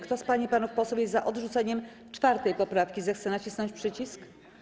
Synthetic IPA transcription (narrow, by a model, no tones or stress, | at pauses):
kt̪ɔspaɲipanufpɔswɛwjɛzzaʔɔd̪ʐut̪sɛɲɛm | t͡ʂfaɾt̪ɛjpɔpɾafkʲizɛxt̪sɛnat͡ɕisnɔɲt͡ɕpʂɘt͡ɕisk